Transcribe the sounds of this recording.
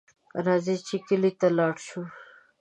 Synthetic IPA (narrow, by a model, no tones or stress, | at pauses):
ɐɾaːzit͡ɕʰikilit̪alɑːɽɕu